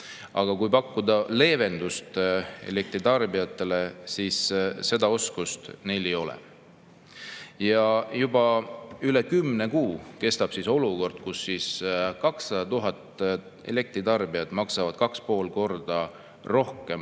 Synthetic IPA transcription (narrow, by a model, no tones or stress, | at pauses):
ɑɡ̥ɑkujpɑkːud̪ɑle̞ːve̞nd̪̥ust̪e̞̰le̞k̚t̪ɾit̪ɑrbiɑt̪ˑːe̞le̞siːsːe̞d̪ɑo̞skust̪ne̞jle̞jo̞lɛ̰ | jɑjubɑylekymːne̞kuːke̞st̪ɑb̥siso̞luko̞rd̪̥̚kusːiskɑksːɑd̪ɑt̪uɦɑt̪ː | e̞̰le̞k̚t̪ɾit̪ɑrbiɑd̪mɑksɑvɑd̪̚kɑkspo̞ːlko̞rd̪̥ɑ | ro̞hkˑe̞m